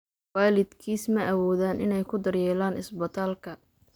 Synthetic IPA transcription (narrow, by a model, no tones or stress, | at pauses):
waːlɪd̪kʰiːsmɐɐwɔːðaːnʔɪnɛjkʰʊd̪ɐrjɛːlaːnɪ̰sbɐt̪ʰaːlkʰɐ